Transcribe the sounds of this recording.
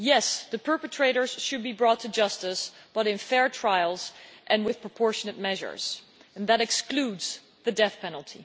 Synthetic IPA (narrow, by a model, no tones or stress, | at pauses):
jɛsðɨpʰɜ˞pɨtʰɹ̥eɪɾə˞z̥ʃɨd̚bibɹɔtʰːɨd͡ʒʌstɨsb̥ʌɾɨ̃nfɛɹtʰɹ̥aɪl̩ˠz̥ʔɨ̃nwɪð̥pʰɹəpʰɔɹʃɨnɨt̚mɛʒə̰˞z̥ | ɨ̃nðəɾɨkskludz̥ | ðɨdɛθpʰɛnl̩ˠtʰi